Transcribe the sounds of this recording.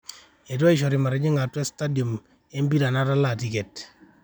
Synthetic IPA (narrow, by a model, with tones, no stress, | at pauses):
e˨twɔ˦ɪ˨ʃ̬ɔ˨ɾɪ˨ma˨ɾɛ˨˦ɲɪ˦ŋa˨twɛ˦sta˦djo˨m | e˦mbi˦ɾa˨na˦ta˦la˦˨ti˦ke˨t